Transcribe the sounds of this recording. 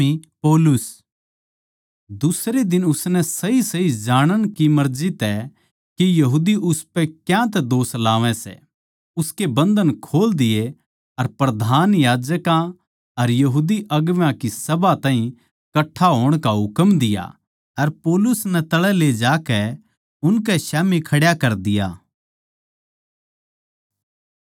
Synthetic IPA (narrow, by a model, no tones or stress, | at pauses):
ipoːlʊs | d̪ʊsɾed̪ɪnʊsnɛsɐɦisɐɦid͡ʒaːɽ̃əñkimɐɾd͡ʒit̪ɛ | kijɐɦuːd̪iʔʊspɛkjãt̪̬ɛd̪oːslaːʋɛ̃sɛ̰ | ʊskebɐ̃nd̪ənkʰoːld̪ɪje | ɐɾpɾɐd̪ʱaːnjaːd͡ʒəkã | ɐɾjɐɦuːd̪iʔɐɡʋjãkisɐbat̪ãːɦĩ | kɐʈʰːaɦoːɽ̃kaɦʊkəmd̪ɪja̰ | ɐɾpoːlʊsnɛt̪ɐɭɛled͡ʒaːkɛ | ʊnkɛʃaːmikʰɐɽjakɐɾd̪ɪja̰ː